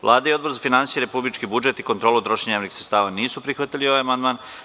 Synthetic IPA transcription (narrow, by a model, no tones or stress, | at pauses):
ʋlˠʔaːd̪aio̞d̪boɾzafinansijeɾepublit͡ʃkibud͡ʒet̪ikont̪ɾoːlˠut̪ɾoʃeɲamniksɾet̪st̪aːʋaniːsupɾixʋat̪ilio̞ʋajamand̪maːn